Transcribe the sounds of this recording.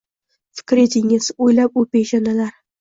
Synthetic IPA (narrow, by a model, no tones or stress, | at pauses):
fɪ̥kʲɾet̪ʰɪŋɪz̥ojlap̚opejʒanalaɾ